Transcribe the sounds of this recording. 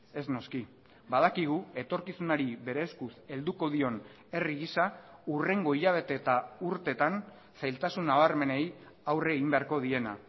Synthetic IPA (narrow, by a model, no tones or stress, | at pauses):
e̞zno̞ski | bað̞akiɣ̞ue̞t̪o̞ɾkisunaɾiβe̞ɾe̞ːskuse̞ld̪uko̞ð̞io̞n | e̞riɣisaure̞ŋɡo̞iʎaβ̞e̞t̪e̞t̪auɾt̪e̞t̪an | sajlt̪asunːaβaɾme̞ne̞j | awre̞ɣimbeaɾko̞ð̞ie̞na